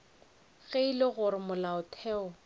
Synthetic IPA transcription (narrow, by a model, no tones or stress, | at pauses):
ɣeilɪɣʊɾɪmʊlaʊtʰɛːɔ